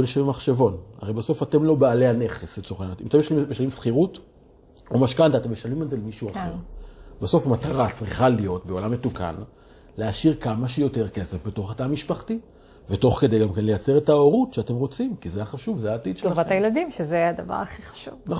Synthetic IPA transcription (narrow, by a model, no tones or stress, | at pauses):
oniʃavimaχʃevo̞na̰ʁejbaso̞fate̞mlo̞beale̞ane̞χeset͡soχanat̪imtemjelijeʃalimsχiʁut | o̞maʃkant̪ate̞mjeʃalimalze̞lemiʃuaχe̞ʁbeso̞famataʁat͡sʁiχalijo̞tbe̞o̞lamːe̞tuka̰n | leaʃiʁkamaʃejo̞te̞ʁke̞sefbe̞to̞χatamiʃpaχti | veto̞χke̞dejɡamkenle̞jat͡se̞ʁetaoʁutʃeate̞mʁo̞t͡simkizeaχaʃuvzeaːtid̪ʃeavat̪ajeladimʃezead̪ava̰ʁaχiχḁʃuvna